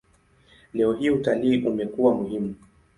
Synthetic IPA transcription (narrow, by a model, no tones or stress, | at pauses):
lɛɔɦiutaliːʔumɛkuwamuhimu